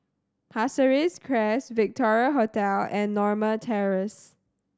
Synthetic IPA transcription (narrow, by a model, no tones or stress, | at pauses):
hasəɹiskʰɹɛsvɪk̚tʰɔɹiəɦotɛlɛ̃nːɔɹmətʰɛɹəs